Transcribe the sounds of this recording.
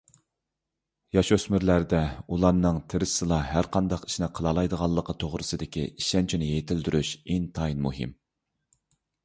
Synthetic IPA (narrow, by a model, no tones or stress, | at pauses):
jɑʃøsmɪɾlæɾd̪ɛulˠɑnːɨŋt̪ʰeɾɨsɨlˠɑɦæɾqʰɑnd̪ɑqi̥ʃnɪqʰəlˠɑlˠɑjd̪əʁɑlˠːəqʰət̪ʰoʁɾɨsɨd̪ɪkʲʰḭiʃɛnt͡ʃʰinɪjet̪ʰɪld̪yɾyʃint̪ʰɑjnmṵɦḭm